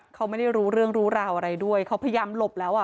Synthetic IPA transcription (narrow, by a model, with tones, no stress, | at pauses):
kʰa˦˥ma˥˩jda˥˩jɾuː˦˥ɾɯ˥˩əŋɾuː˦˥ɾaː˧wʔa˧ɾa˧jdu˥˩əjkʰa˦˥wpʰja˧jaː˧mlo˨˩p̚lɛː˦˥wʔa˨˩